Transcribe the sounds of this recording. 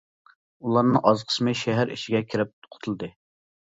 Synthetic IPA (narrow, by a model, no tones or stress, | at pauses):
ulˠɑɾnɨŋʔɑzqʰə̥smɨʃɛɦæɾḭʃɪɡʲɛkʲʰiɾɪp̚t̪qʰʊ̥t̪ʰulˠɨd̪ɨ